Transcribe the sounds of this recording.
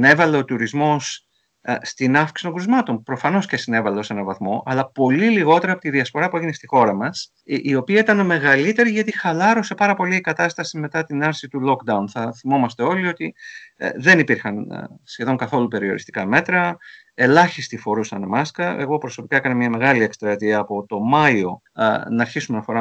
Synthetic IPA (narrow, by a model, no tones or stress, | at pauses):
ne̞vɐle̞o̞t̪uɾizmo̞s | st̪inɐfki̥st̪o̞ŋɡuɾizmɐt̪o̞npɾo̞fɐno̞sce̞sine̞vɐleo̞se̞nɐvɐθmo̞ʔɐlɐpo̞liliɣo̞t̪e̞ɾɐpot̪iðiɐsfo̞ɾɐpueʝinest̪ixo̞ɾɐmɐs | io̞piɐit̪ɐnme̞ɣɐlit̪e̞ɾiʝɐt̪ixɐlɐɾose̞pɐɾɐpo̞liikɐt̪ɐst̪ɐsime̞t̪ɐt̪inɐɾsit̪ulo̞kd̪ɐunθɐθimo̞mɐst̪e̞o̞lio̞t̪ḭ | ðe̞nipiɾxɐnsçe̞ðo̞ŋkɐθo̞lupe̞ɾio̞̰ɾist̪i̥kɐme̞t̪ɾɐ | e̞lɐçist̪ifo̞ɾusɐnmɐskɐe̞ɣo̞pɾo̞so̞pi̥kɐe̞kɐnemɲɐme̞ɣɐliekst̪ɾɐt̪iɐːpo̞t̪o̞mɐio̞̰ | nɐːɾçisume̞nɐfo̞ɾɐ